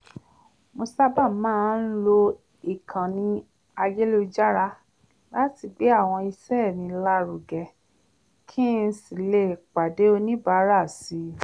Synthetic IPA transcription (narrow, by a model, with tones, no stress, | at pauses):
mo˧sa˦ba˦˨˦mãː˦˨˦n̩˦lo˧ | i˨kʰã˨nĩ˧ | a˧je˦lo˧d͡ʒa˦ɾa˧ | la˦ti˧ɡ͡be˨˦a˦˨w̃ɔ̃˧i˧sɛ˦˨nĩ˧˦la˦ɾu˨ɡɛ˨ | kʰĩ˦n̩˦si˨le˦˨k͡pa˨de˨˦o˧nĩ˦ba˨˦ɾa˦˨si˧˦